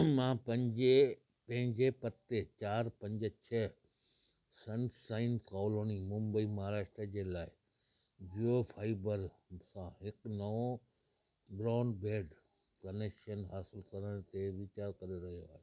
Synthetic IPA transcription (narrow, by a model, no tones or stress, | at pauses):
mãːpɐ̃ɲd͡ʑe | pɐ̃ɦɪ̃ɲd͡ʑepɐt̪ːet͡ɕaːɾpɐ̃ɲd͡ʑət͡ɕʰɐ | sɐ̃nsaːɪnkɔːloːnimʊ̃mbəimɐɦaːɾaːʃʈ̪ɾəd͡ʑeːlaːɪ | d͡ʑiofʰaːɪbəɾ | sãɦɪknɐo | bɾaːnɖbeːɖ | kɐnekʃənɦaːsɪlkɐɾəɽ̃t̪eʋɪt͡ɕaːɾkɐɾeɾɐɦijoaːɦe